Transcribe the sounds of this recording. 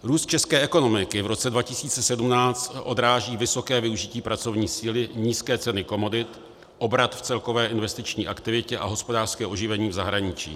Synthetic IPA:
ɾuːst̪̚t͡ʃɛskɛːʔɛko̞no̞mɪkɪvɾo̞t͡sɛdvacɪsiːt͡sɛsɛdumnaːt͡st̪ʔo̞d̪ɾaːʒiːvɪsokɛːvɪuʒɪciːpɾat͡so̞vɲiːsiːlɪɲiːskɛːt͡sɛnɪko̞mo̞dɪt̪ | ʔo̞bɾat̪ft͡sɛlko̞vɛːʔɪnvɛst̪ɪt͡ʃɲiːʔakt̪ɪvɪcɛʔa̰ɦo̞spo̞daːr̥skɛːʔo̞ʒɪvɛɲiːvzaɦɾaɲɪt͡ʃḭː

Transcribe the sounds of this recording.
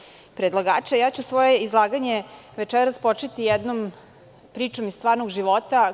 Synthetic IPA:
pɾed̪lˠaɡaːt͡ʃejaːt͡ɕusʋo̞jeizlˠaːɡaɲeʋet͡ʃɛɾaspot͡ʃet̪ijɛd̪nom | pɾiːt͡ʃomist̪ʋaːɾnoɡʒiʋo̞t̪a

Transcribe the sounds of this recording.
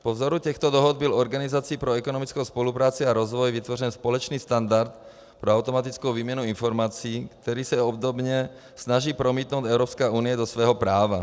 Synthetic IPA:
povzoɾuc̪ɛxt̪ɔd̪ɔɦɔd̪̚bilɔɾɡanizat͡siːpɾoɛkonɔmit͡skowspolupɾaːt͡siaɾɔzvɔjvit̪ʋɔrɛnspolɛt͡ʃniːst̪and̪aɾt̪ | pɾoawt̪omat̪it͡skowviːmɲɛnuinfoɾmat͡siiːkt̪ɛɾiːsɛɔbd̪obɲɛ | snaʒiːpɾomiːt̪noʊt̪ɛwɾɔpskaːʔuːnijɛd̪ɔsʋɛːɦɔpɾaːva

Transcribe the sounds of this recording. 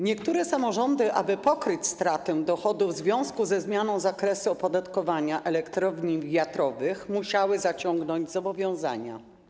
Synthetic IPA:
ɲɛkt̪uɾɛsamɔʐɔnd̪ɘʔa̰bɘpɔkɾɘt͡ɕst̪ɾat̪ɛw̃d̪ɔxɔd̪uvzvʲjɔ̃w̃skuzɛzmʲjanɔ̃w̃zakɾɛsuɔpɔd̪at̪kɔvaɲaʔɛlɛkt̪ɾɔvɲivʲjat̪ɾɔvɘxmuɕawɘzat͡ɕɔŋɡnɔɲd͡ʑzɔbɔvʲjɔ̃w̃za̰ɲa̰

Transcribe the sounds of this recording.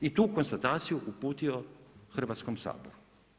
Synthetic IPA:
it̪uːkonst̪at̪aːt̪sijuʔupuːt̪ioxr̩ʋaːt̪skomsa̰ːboɾu

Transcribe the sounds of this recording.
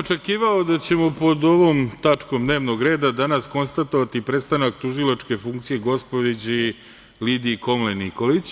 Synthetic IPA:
ot͡ʂe̞kiːʋaod̪at͡ɕe̞mopo̞d̪o̞ʋo̞ːmt̪at͡ʂko̞md̪neːʋnoɡɾe̞ːd̪ad̪anasko̞nst̪at̪o̞ʋat̪ipɾe̞st̪anakt̪uʒilˠat͡ʂke̞fuŋkt̪sije̞ɡo̞spod̪id͡ʑi | lid̪iko̞mleniko̞lit͡ɕ

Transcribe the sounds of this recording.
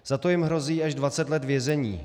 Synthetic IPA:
z̥at̪o̞jɪmɦɾo̞ziːaʒdvat͡sɛt̪lɛt̪vjɛzɛɲḭː

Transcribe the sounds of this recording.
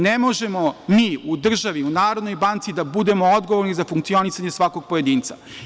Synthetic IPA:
nemo̞ʒe̞mo̞miːud̪r̩ʒaʋiunaːɾod̪no̞jbant̪sid̪abud̪e̞mood̪ɡoʋoɾnizafuŋk̚tsio̞nisaɲesʋako̞ɡ̚pojed̪iːnt̪sa

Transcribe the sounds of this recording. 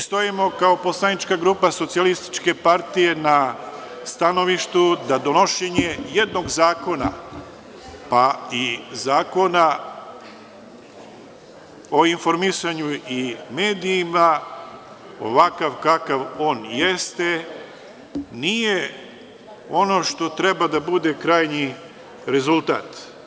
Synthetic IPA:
st̪o̞imo̞kao̞po̞slanit͡ʃkaɡɾuːpaso̞t̪sialist̪i̥t͡ʃke̞paɾt̪ije̞na | st̪ano̞ʋiʃt̪ud̪ad̪o̞no̞ʃeɲe̞je̞d̪no̞ɡzaːko̞na̰ | paizaːko̞na | o̞info̞ɾmisaɲuimeːd̪iːma | o̞̰ʋakaʋkakaʋo̞ːnjest̪e | nije | o̞no̞ʃt̪o̞t̪ɾe̞bad̪abud̪e̞kɾaːjɲi | ɾe̞zulˠt̪a̰ːt̪

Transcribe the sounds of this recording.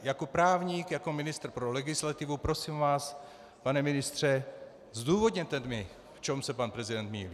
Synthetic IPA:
jako̞pɾaːvɲiːkjako̞mɪnɪst̪r̩pɾolɛɡɪslat̪ɪvupɾo̞siːmvaːs | panɛmɪnɪst̪r̝̥ɛ | zd̪uːvo̞d̪ɲɛt̪ɛnd̪mɪ | ft͡ʃɛmsɛpanpɾɛzɪdɛnt̪miv

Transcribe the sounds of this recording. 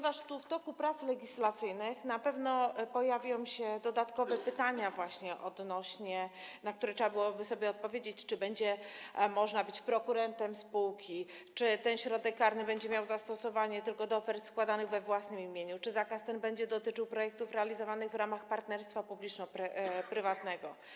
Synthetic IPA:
ɔɲvaʂt̪uft̪ɔkupɾat̪slɛɡʲislat̪sɘjnɘxnapɛvnɔpɔjavʲjɔ̃w̃ɕɛd̪ɔd̪at̪kɔvɛpɘt̪aɲavwaɕɲɛʔɔd̪nɔɕɲɛnak̚t̪uɾɛtʂɛbabɘwɔbɘsɔbʲjɛɔt̪̚pɔvʲjed͡ʑet͡ɕt͡ʂɘbɛɲd͡ʑɛmɔʐnabɘt͡ɕpɾɔkuɾɛnt̪ɛmspuwkʲi | t͡ʂɘt̪ɛnɕɾɔd̪ɛkːaɾnɘbɛɲd͡ʑɛmjawzast̪ɔsɔvaɲɛt̪ɘlkɔd̪ɔɔfɛɾt̪skwad̪anɘɣvɛvwasnɘmimʲjeɲut͡ʂɘzakast̪ɛnbɛɲd͡ʑɛd̪ɔt̪ɘt͡ʂɘwpɾɔjɛk̚t̪ufɾɛalʲizɔvanɘɣvɾamaxpaɾt̪nɛɾst̪fapublʲit͡ʂnɔpɾpɾɘvat̪nɛɡɔ

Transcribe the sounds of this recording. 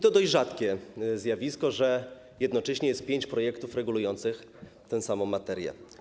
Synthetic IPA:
t̪ɔd̪ɔʑd͡ʑʐat̪kʲɛzʲjavʲiskɔʐɛ | jɛd̪nɔt͡ʂɛɕɲɛjɛst̪̚pʲjeɲt͡ɕpɾɔjɛkt̪ufɾɛɡulujɔnt̪sɘx | t̪ɛ̃w̃samɔ̃w̃ːat̪ɛɾjɛ̰

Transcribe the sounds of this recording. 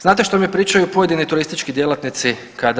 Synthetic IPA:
znaːt̪̬eʃt̪omijepɾiːt͡ʃajupo̞jed̪inojt̪uɾist̪it͡ʃkid̪je̞lat̪nit̪si | kad̪

